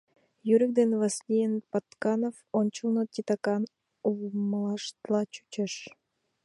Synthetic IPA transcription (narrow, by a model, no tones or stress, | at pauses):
jyɾʲik̚d̪envasʲlʲijenpat̪kɑnofont͡ɕulˠnot̪ʲit̪ɑkɑn | umlˠɑʃt̪lˠɑt͡ɕy̥t͡ʃəʃ